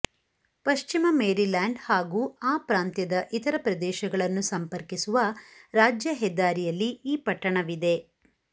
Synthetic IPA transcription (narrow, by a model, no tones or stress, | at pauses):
pɐʃt͡ʃimɐmeːɾilaːɳɖhaːɡuːaːpɾaːnt̪jɐd̪ɐʔit̪ɐɾɐpɾɐd̪ɛːʃɐɡɐɭɐnːusɐmpɐɾkisuʋɐɾaːd͡ʒjɐɦɛd̪ːaːɾijɐlːiiːpɐʈːɐɳɐʋid̪e̞